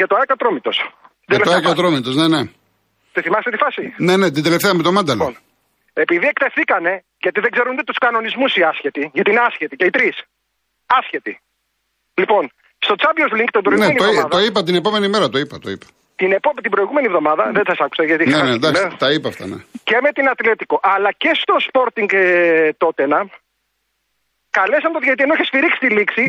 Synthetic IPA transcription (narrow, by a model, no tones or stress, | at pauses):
ʝɐt̪oɐkɐt̪ɾomit̪o̞s | d̪ɐloekɐt̪ɾomit̪o̞snene̞ | t̪iθimɐst̪et̪ifɐsine̞ne̞t̪ind̪eleft̪eɐmet̪omɐnd̪ɐln | e̞piðiekt̪efθikɐne̞ | ʝɐt̪iðeɡze̞ɾunt̪it̪u̥skɐno̞nizmusiɐsçet̪iʝɐt̪inɐsçet̪iceit̪ɾis | ɐsçet̪i | lipo̞n | st̪o̞t͡sɐbiozliŋkt̪ibɾoiɣeenieoðmɐðoipɐt̪̬inepo̞me̞nimeɾɐt̪oipɐt̪oipɐ̥ | t̪inepomt̪ibɾo̞iɣume̞nievðo̞mɐðɐðensɐsɐku̥sɐʝɐt̪inenend̪ɐkst̪ɐipɐft̪ɐ̰nece̞met̪inɐt̪let̪iko̞ʔɐlɐce̞st̪o̞spo̞ɾt̪iŋɡt̪ot̪enɐm | kɐle̞sɐnt̪oðɐit̪ienoeçesfiɾiksi̥t̪iliksi